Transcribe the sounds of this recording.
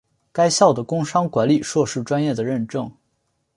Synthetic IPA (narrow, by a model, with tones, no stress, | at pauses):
ka˥ɪɕjɑ˥˩ʊd̪ə˩kʊ˥ŋʂɑ˥ŋkwa˧˥nli˨˩ʂwɔ˥˧ʂɻ̩˥˩ʈ͡ʂwa˥njɛ˥˩d̪ə˩ɻə˥˩nʈ͡ʂɤ˥˧ŋ